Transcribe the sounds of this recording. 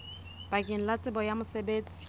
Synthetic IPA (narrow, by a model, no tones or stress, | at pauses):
b̥akʼɪn̩lat͡sʼɪbɔjamʊsebeːt͡sʼi̥